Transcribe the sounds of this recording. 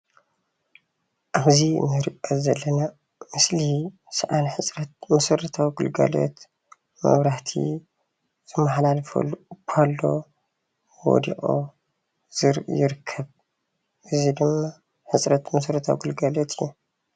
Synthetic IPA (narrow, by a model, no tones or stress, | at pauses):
ʔaβzinɨɾiʔʼɐzɐlːɐna | mɨsli | sɨʔanħɨt͡sʼɾɐt̪̚mɐsɐɾɐt̪ʰawiɡɨlɡa̰lo̰t̪ | mɐ̰βɾaht̪ʰḭ | z̥ɨmːɐħlalfṵkʰalːo̰ | wo̰d̪ḭʔʼo̰ | z̥ɨɾʔjɪɾɨkʰːɐβ | ʔɨzid̪ɨmːa | ħɨsʼɾɐt̪mɐsɐɾɐt̪ʰawiɡɨlɡalot̪ʰɨjːu